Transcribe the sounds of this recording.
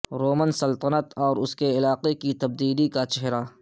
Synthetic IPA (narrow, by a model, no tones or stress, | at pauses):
ɾoːmənsɐlt̪ənət̪ɔːɾʊskeɪlaːqekit̪ɐb̚d̪iːlikat͡ʃɛɦɾaː